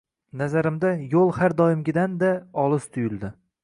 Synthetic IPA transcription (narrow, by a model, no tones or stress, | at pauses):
nazaɾɪmd̪ajolˠhaɾd̪ɒɪmɡʲɪd̪and̪aɒlˠɪst̪ʰʊjɪlˠd̪ɪ